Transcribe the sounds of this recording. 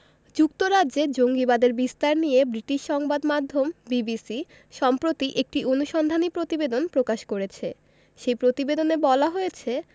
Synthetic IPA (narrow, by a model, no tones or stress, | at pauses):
d͡ʑuk̚t̪oɾaʑed͡ʑoŋɡibad̪eɾbist̪aɾnijebɾiʈiʃʃɔŋbad̪mad̪ʱːombibisi | ʃɔmpɾot̪iʔek̚ʈiʔonuʃɔnd̪ʱanipɾot̪ibed̪onpɾokaʃkoɾet͡ɕʰe | ʃejpɾot̪ibed̪onebɔlaɦojet͡ɕʰe